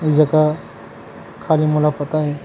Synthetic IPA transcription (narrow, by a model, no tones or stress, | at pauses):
id͡ʒəka | kʰalimulafət̪aɦɛ